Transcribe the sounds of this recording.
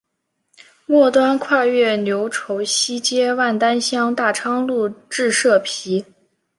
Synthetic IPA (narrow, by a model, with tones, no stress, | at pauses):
mwɔ˥˩t̪wa˥nkʰwa˥˧ɥɛ˥˩njo˧˥ʊʈ͡ʂʰo˧˥ʊɕi˥t͡ɕjɛ˥wa˥˩nt̪a˥nɕjɑ˥ŋt̪a˥˩ʈ͡ʂʰɑ˥ŋlu˥˧ʈ͡ʂɻ̩˥˧ʂɤ˥˩pʰi˧˥